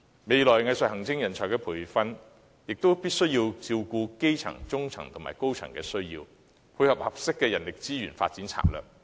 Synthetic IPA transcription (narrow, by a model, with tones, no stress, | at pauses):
me˨jlɔː˨˩jŋɐ˧jsɐ˨t̚hɐ˨˩ŋt͡sɪ˥ŋjɐ˨˩nt͡ʃʰɔː˨˩jkɛː˧pʰuː˨˩jfɐ˥n | jɪ˨k̚t̪o˥wpiː˥t̚sɵ˥ɥjiː˧wt͡siː˧wkuː˧ke˥jt͡sʰɐ̰˨˩ŋt͡sʊ˥ŋt͡sʰɐ˨˩ŋt̪ʰʊ˨˩ma̰ː˨˩jko˥wt͡sʰɐ̰˨˩ŋkɛː˧sɵ˥ɥjḭː˧w | pʰu˧jhɐ˨˩p̚hɐ˨p̚sɪ˥kːɛː˧jɐ˨˩nlɪ˨k̚t͡siː˥jyː˨˩nfa̰ː˧t̚t͡si˨˥nt͡sʰa̰ː˨˩lœ̰ː˨˩k̚